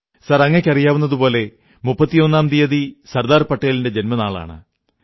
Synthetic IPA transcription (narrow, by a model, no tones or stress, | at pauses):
sɐrɐŋːɐkʲːɐrijaːʋunːɐðupo̞ːle̞ | mupːɐt̪ːijo̞nːaːmd̪ijɐðisɐrd̪aːrpɐʈːeːlinde̞d͡ʑe̞nmɐnaːɭa̰ːɳɨ̰